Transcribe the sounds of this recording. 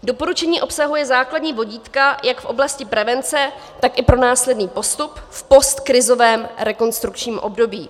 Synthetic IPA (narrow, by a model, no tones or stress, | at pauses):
do̞po̞ɾut͡ʃɛɲiːʔo̞psaɦujɛzaːkladɲiːvo̞ɟiːt̪kajakfʔo̞blascɪpɾɛvɛnt͡sɛ | t̪akɪpɾo̞naːslɛdniːpo̞st̪upfpo̞st̪kɾɪzo̞vɛːmɾɛko̞nst̪ɾukt͡ʃɲiːmʔo̰bdo̞biː